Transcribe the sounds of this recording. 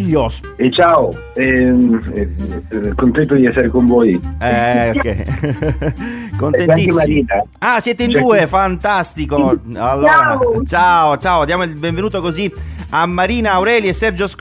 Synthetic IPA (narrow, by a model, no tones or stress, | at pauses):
ʎːos | et͡ʃaːo | ɛ | kont̪ɛnt̪od̪iɛsːeɾekoɱvoːjɛokːɛ | konenaiemaɾiːnaasjɛːt̪eind̪uːefant̪ast̪ikoalːoːat͡ʃaːot͡ʃaːoad̪jaːmoilbẽɱvenuːt̪okoziamːaɾiːnaːwɾɛːljesːɛrd͡ʒosk